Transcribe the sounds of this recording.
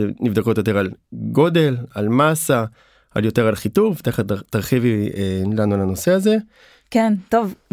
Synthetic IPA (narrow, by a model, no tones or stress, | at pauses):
nivd̪ako̞tjo̞t̬e̞ʁalɡo̞de̞lalmasa | a̰ljo̞te̞ʁalχituvt̪aχat̪aʁχivilanualano̞seaze̞ | kent̪ov